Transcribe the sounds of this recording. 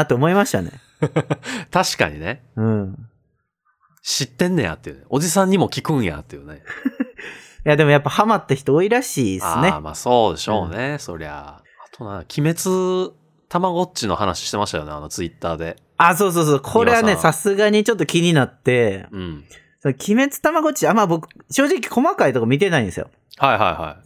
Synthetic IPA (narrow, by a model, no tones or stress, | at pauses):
at̪oːmo̞imaɕi̥t̪ane̞̰ | t̪aɕi̥ka̰ɲineɯ̟̃ː | ɕit̪ːẽ̞nːeja̰t̪ːejɯ̟neʔo̞d͡ʑisãɲ̟ːimo̞kʲikɯ̟̃ɰ̃ja̰t̪ːejɯ̟ne | jad̪e̞mo̞japːahamat̪ːaçi̥t̪oːiɾaɕiːasɨ̰ne̞ma̰ːso̞ːd̪e̞ɕo̞̰ːneso̞̰ɾea̰ | at̪ʰo̞nãkʲʰime̞t͡sɨ | t̪amaɡo̞t͡ɕino̞hanaɕi̥ɕi̥t̪e̞maɕi̥t̪ajo̞nea̰not͡sɨit̪ːaːd̪e̞ | aso̞ːs̬oːsoːokʰo̞ɾɾe̞ɡane̞sasɨɡaɲ̟it͡ɕo̞t̪ːo̞kʲiɲ̟inat̪ːe̞ɯ̃ | sonokʲʰime̞t͡sɨ̥t̪amaɡo̞t͡ɕiamabo̞kɯ̟ | ɕo̞ːʑik̬ʲi̥ko̞makait̪o̞kamʲit̪e̞naĩesɨjo̰ | haiɦa̰iha̰i